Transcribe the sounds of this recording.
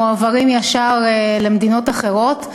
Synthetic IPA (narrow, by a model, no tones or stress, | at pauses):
oavaʁimjaʃaʁele̞md̪ino̞t̪aχe̞ʁo̞t̪